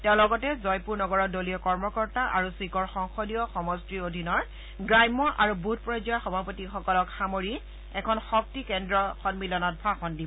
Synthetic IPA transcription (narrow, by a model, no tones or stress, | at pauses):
tɛʊ̃lɔɡɔtɛzɔjpuɹnɔɡɔɹɔdolijɔkɔɹmɔkɔɹtaʔa̰ɹusikɔɹxɔŋxɔdijɔxɔmɔstɹiodʱinɔɹ | ɡɹajmːɔʔaɹubut̚pɹɔzɔjaxɔbʱapotixɔkɔlɔkxamoɹi | ɛkʰɔnxɔk̚tikɛndɹɔxɔnmilɔnɔt̚bʱaxɔndib